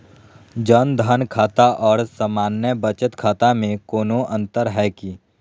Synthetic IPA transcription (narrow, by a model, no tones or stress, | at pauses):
d͡ʒənd̪ʱənkʰaːt̪aʔɔːɾsəmaːnjəbət͡ʃət̪kʰaːt̪amẽkoːnoʔɐ̃nt̪əɾɦɛːki